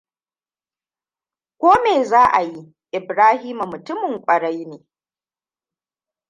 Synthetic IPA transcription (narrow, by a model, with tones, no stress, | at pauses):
kʷoː˦meː˨zaː˦ʔa˨ji˦ | ʔɪ˨bɾaː˦ɦiː˦mu˨mʊ˨tʊ˦mɪ˨ŋkʷʼɐ˨ɽa˦jneː˨